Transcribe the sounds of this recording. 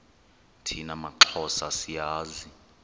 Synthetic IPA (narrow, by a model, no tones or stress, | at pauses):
tʰinamaǁʰɔsasijaːzi